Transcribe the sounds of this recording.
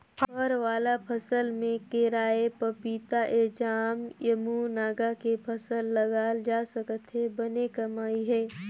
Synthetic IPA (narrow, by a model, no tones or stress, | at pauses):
ɔːɾʋaːlapʰəsəlmẽkeɾaːepəpiːt̪aʔeːd͡ʒaːmjəmunaːɡakepʰəsəlːɐɡaːld͡ʒaːsəkət̪ɦɛbɐnekɐmaːiɦɛː